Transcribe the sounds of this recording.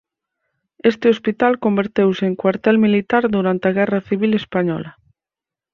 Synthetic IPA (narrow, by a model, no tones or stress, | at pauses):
est̪eospit̪alkombeɾt̪ewseeŋkwaɾt̪ɛlmilit̪aɾðuɾant̪eaɣɛraθiβ̞ilespaɲɔ̰la